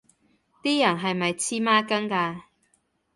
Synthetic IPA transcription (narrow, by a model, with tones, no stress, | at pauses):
t̪iː˥jɐ˨˩nɦɐ˨jmɐ˨jt͡sʰiː˥maː˥kɐ˥ŋkaː˧